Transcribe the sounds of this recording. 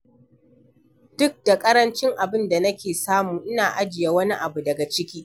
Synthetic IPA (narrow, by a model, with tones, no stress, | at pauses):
d̥ʊ˦k̚da˨kʼɐ˦ɾɐ˦nt͡ʃɪ˦ŋʔa˨bɪ˦nda˨nɐ˦kʲeː˨saː˦muː˨ʔɪ˦naː˨ʔa˦d͡ʒɪ˨jaː˦wɐ˦ni˦ʔa˨bu˨dɐ˨ɡa˨t͡ʃɪ˦kʲiː˦